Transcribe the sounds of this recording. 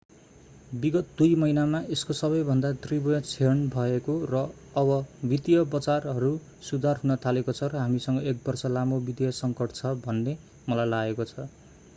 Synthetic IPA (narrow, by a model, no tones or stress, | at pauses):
biɡʌt̪̚d̪ujmʌinamaʔeskosʌβʌjbʱʌnd̪ad̪ribʌjʌ̃t͡sʰenbʱʌekorʌː | bʌbit̪jʌbʌt͡sarɦʌɾu | sud̪ʱarɦunʌt̪ʰalekot͡sʰʌɾʌɦamisʌŋɡʌek̚bʌrsʌlamobid̪jʌsʌŋkʌʈʰt͡sʰʌbʱʌnːe | mʌlajlaɡekot͡sʰʌ